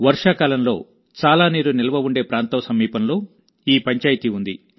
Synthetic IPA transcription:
ʋɐɾʂaːkaːlɐmlo̞̰ː | t͡ʃaːlaːniːɾunilɐʋɐʋuɳɖe̞ːpɾaːnt̪ɐʋɐsɐmiːpɐnlo̞ː | iːpɐɲt͡ʃaːjit̪iund̪i

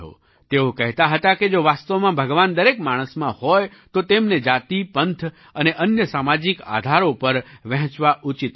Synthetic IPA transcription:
ɦo̰ | t̪eokəɦt̪aɦət̪aked͡ʒoʋast̪əʋmãbʱəɡʋand̪əɾekmaɽ̃əsmãhɔj | t̪ot̪emned͡ʒat̪ipənt̪ʰ | əneʔənjəsamad͡ʒika̰d̪ʱaɾopəɾʋɛ̃ɦt͡ʃʋaʔut͡ʃit̪

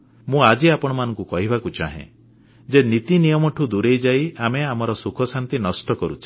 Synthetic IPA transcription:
mũad͡ʒiapɔɽ̃ɔmanɔ̃ŋkukɔɦibʱakut͡ʃa̰ɦḛ̃ | d͡ʒenit̪inijɔmɔʈʰud̪uɾejd͡ʒajameamɔɾɔsukʰɔsant̪inɔsʈɔkɔɾut͡ʃʰi̥

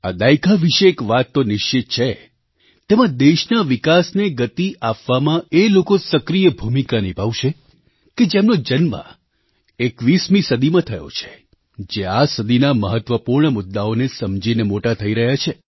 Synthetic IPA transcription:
a̰d̪aikaʋiʃeːkʋat̪ːonɪʃt͡ʃit̪̚t͡ʃʰe | t̪emãd̪eʃnaʋɪkasneɡət̪iʔapʋamãelokosəkɾijəbʱumikanibʱaʋʃe | ked͡ʒemnod͡ʒənmã̰ | ekʋismisəd̪imãt̪ʰəjo̰t͡ʃʰe̥ | d͡ʒeasəd̪ʱinaməɦət̪ʋəpuɾɳəmʊd̪ːaonesəmd͡ʒinemoʈat̪ʰəiɾəɦjat͡ʃʰe

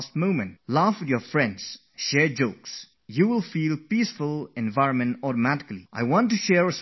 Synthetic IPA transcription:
stmõʊ̃mɨ̃nt̚lafwɪðjəfɹɛ̃ndz̥ | ʃɛɹd͡ʒoʊks | juwɪlˠfiːlˠpiːsfʊlˠɛ̃nvaɪɹə̃nmə̃ntɔɾəmæɾɪ̥kliʔa̰ɪwɑ̃ntːuʃɛɹəs

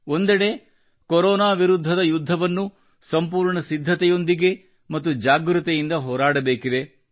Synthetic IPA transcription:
ond̪ɛɽe̞ | koɾɔːnaːʋiɾud̪ʱːɐd̪ɐjud̪ʱːɐʋɐnːu | sɐmpuːɾɳɐsid̪ʱːɐt̪ɛjo̞nd̪iɡe̞ | mɐt̪ːud͡ʒaːɡɾut̪ɐjind̪ɐɦɔːɾaːɽɐbeːkid̪e̞

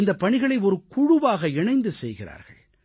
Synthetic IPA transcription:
nd̪ɐpːɐɳɪɣɐɭɐɪɔɾɯkʊɻʊʋaːɣɐɪɳɐɪnd̪ɯsɛjɣɪɾa̰ːɾɣɐ̰ɭ

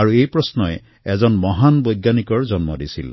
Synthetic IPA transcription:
aɹuejpɹɔsnɔj | ɛzɔnmɔɦanbɔjɡjanikɔɹzɔnmɔ̰disḭl

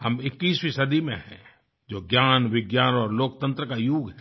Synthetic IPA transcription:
hɐmɪkːiːswisɐd̪imḛ̃ɦɛ̰̃ | d͡ʒoːɡjaːnʋɪɡjaːnɔːɾloːkt̪ə̃nt̪ɾəkajuːɡɦɛ

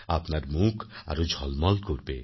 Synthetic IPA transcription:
apnaɾmukʰa̰ɾud͡ʒʱɔlmɔlkoɾbe

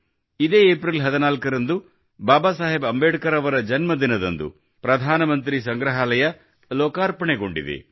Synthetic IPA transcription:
id̪eːeːpɾilɦɐd̪ɐnaːlkɐɾɐnd̪u | baːbaːsaːɦebɐmbeːʈkɐɾɐʋɐɾɐd͡ʒɐnmɐd̪inɐd̪ɐnd̪ṵ | pɾɐd̪ʱaːnɐmɐnt̪̬ɾis̬ɐŋɡɾɐɦaːlɐjɐ | lɔːkaːɾpɐɳeɡo̞ɳɖḭd̪ḛ

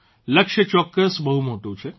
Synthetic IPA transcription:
ləkʃət͡ʃɔːkːəsbəɦumoʈũt͡ʃʰe

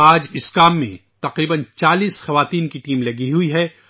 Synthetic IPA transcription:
aːd͡ʒɪskaːmːḛ̃t̪ɐqɾiːbənt͡ʃaːliːsxɐʋaːt̪iːnkiʈiːmlɐɡiɦʊiɦɛː

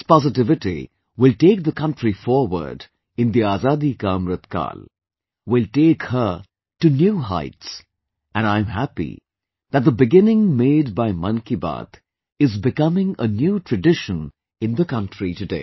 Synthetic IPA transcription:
spɑzɨʈɪvɪʈḭ | wɪlʈeːk̚ðəkʌ̃nʈɾifɔːɾwə̰˞ɖ | ɪ̃nd̪iaːzaːd̪ikaːmɾət̪ka̰ːl | wɪlʈeːkhə˞ | ʈunjuːɦa̰ɪts | ʔɨ̃nãɪ̃mɦæpḭ | ðæt̚d̪əbɪɡɪ̃nɪ̃ŋmeːd̚baɪmʌ̃nkiba̰ːt̪ | ɪzbɪkʌmɪ̃ŋənjuːʈʰɹədɪʃə̃n | ɪ̃nðəkʌ̃nʈɾitɨdḛː

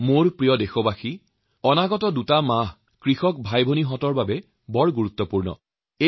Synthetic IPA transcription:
moɹpɹijɔdexɔbaxi | ɔnaɡɔtɔdutamaɦ | kɹixɔk̚bʱajbʱoniɦɔtɔɹbabɛ | bɔɹɡuɹut̪ːɔpuɹnɔ̰ | e

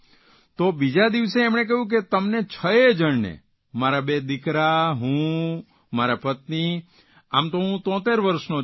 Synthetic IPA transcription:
t̪obid͡ʒad̪iʋseːmɳ̃ek̬əɦjũk̬et̪əmnet͡ʃʰəed͡ʒəɳnḛ | maɾabed̪ɪkɾaɦũ | maɾapət̪ni | amt̪oɦũt̪ɔ̃t̪eɾʋəɾʃno

